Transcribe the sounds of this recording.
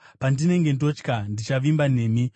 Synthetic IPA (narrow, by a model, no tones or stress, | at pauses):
pandine̞ŋɡe̞ndo̞t͡ʃkandit͡ʃaʋimbane̞ːmi